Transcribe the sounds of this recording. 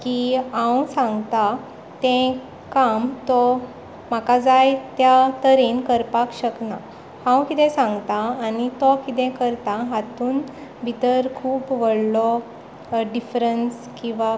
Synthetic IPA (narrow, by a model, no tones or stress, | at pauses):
kiãwsãŋɡt̪a | t̪ɛ̃ | kamt̪ɔ | m̤akad͡zajt̪jat̪əɾenkəɾpakɕəkna | hãw̃kit̪ɛ̃sãŋɡt̪aːnit̪ɔkit̪ɛ̃kəɾt̪aɦat̪uːn | bʱit̪əɾkʰuːpʋəɽlɔ | ɖifɾəns | kĩʋa